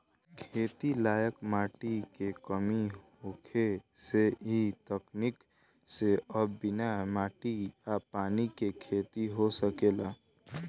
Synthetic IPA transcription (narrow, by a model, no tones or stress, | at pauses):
kʰeːt̪ilaːjəkmaːʈikekəmiɦokʰeseɦit̪əknik | seʔəbbɪnamaːʈiapaːnikekʰeːt̪iɦosəkeːlaː